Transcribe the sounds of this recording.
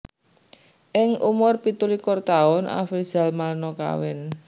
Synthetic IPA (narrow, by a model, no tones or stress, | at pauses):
ʔɪŋumʊrpit̪ulikʊrt̪aʊnʔa̰fi̥z̥a̤lmalnɔka̰wɪn